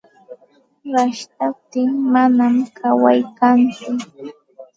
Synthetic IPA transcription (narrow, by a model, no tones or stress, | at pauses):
ɾaʃt̪ap̚t̪ɪŋmanamkʰawajkant͡sʊ